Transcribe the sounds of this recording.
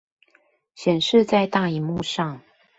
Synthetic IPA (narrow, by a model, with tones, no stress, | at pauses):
ɕjɛ˨˩nʂɻ̩˥˧t͡sa˥˧ɪt̪a˥˩i˨˦mu˥˧ʂɑ˥˨ŋ